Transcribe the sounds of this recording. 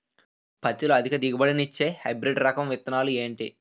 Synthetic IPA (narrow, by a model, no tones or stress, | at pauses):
pʰɐt̪ːiluɐd̪ʱikɐd̪iɡɐbɐɽinit͡ʃːeːhɐjbɾeɖɾɐkɐmʋit̪ɐnaːlue̞ːɳʈi